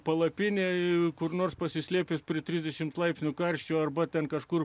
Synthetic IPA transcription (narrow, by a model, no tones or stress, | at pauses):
pɐlˠɐpʲɪnʲeːkʊrnoːrspɐsʲɪsʲlʲeːpʲɪspʲɾʲiɪt̪ʲɾʲɪzʲd̪ʲɛʃʲɪmt̪lˠɐɪpʲsʲnʲʊkɐɾʲʃʲt͡ʃʲoːɐrbɐt̪ʲɛnkɐʃkʊr